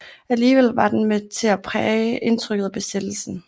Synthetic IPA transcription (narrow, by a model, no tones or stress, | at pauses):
æliːʋel̰ʋɑ̈d̥enmet͡sʰe̝æpʰʁɛːəʔe̝nt͡sʰʁœɡ̥ð̩ˠb̥e̝sed̥l̩sn̩